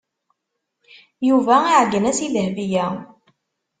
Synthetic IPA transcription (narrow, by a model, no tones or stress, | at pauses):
juvæiʕɡːənæsiðəhvijæ